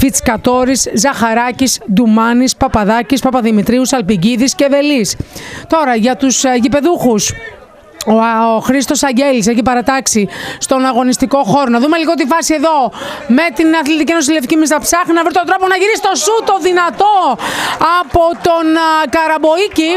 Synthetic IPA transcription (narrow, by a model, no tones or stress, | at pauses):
fit͡skɐt̪o̞ɾiszɐxɐɾɐcisd̪umɐnispɐpɐðɐcispɐpɐðimit̪ɾiusɐlpiɟiðisceðe̞list̪o̞ɾɐʝɐt̪usʝipe̞ðuxus | ooxɾist̪o̞sɐɲɟe̞lis̬e̞çipɐɾɐt̪ɐksist̪o̞nɐɣo̞nist̪iko̞xo̞ɾonɐðume̞liɣot̪ifɐsie̞ðo̞me̞t̪inɐθlit̪icienos̬ilefi̥cimis̬t̪ɐpsɐxinɐvɾit̪ot̪ɾoponɐʝiɾisi̥t̪o̞sut̪o̞ðinɐt̪o̞ɐpot̪o̞nkɐɾɐbo̞ici